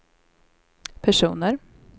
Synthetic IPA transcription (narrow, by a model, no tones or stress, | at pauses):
pʰæʂuːnəɾ